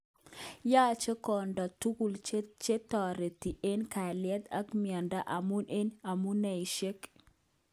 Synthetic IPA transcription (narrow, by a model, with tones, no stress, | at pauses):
ja˦t͡ʃe˦kɔ˨ndɔ˨tu˦ku˨lt͡ʃe˦tɔ˨ɾe˨ti˨ʔe˦nka˨lɪɛ˦t̪a˦kmɪa˨nda˦ʔa˨mu˦nʔe˦na˨mu˦nɛ˨i˨ʃe˦k